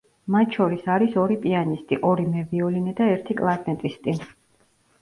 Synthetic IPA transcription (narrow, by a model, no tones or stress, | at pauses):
mat̪ʰʃɔɾisaɾisɔɾipʼianist̪ʼiʔɔɾimɛviɔlinɛd̪aɛɾt̪ʰikʼlˠaɾnɛt̪ʼist̪ʼin